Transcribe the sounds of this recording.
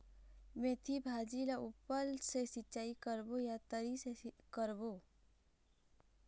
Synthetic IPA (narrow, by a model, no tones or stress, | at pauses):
mẽt̪ʰibʱad͡ʒilaupːəlsesɪtːʃaːikəɾbojat̪əɾisekəɾboː